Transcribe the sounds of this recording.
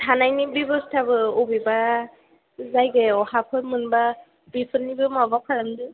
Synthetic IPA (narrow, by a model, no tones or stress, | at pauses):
tʰanajnibibɯstʰabɯɔbiba | zajɡeɔhapʰɯtmɯnba | bipʰɯnːibɯmabapʰaɾamdɯ